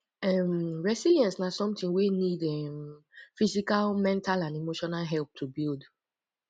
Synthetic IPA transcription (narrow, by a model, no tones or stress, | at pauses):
ɛmɹɛsiljɛ̃nsnasɔ̃mtĩŋwenidɛmfisikalmɛ̃ntalãnemoʃɔnalɦɛlp̚tʰubild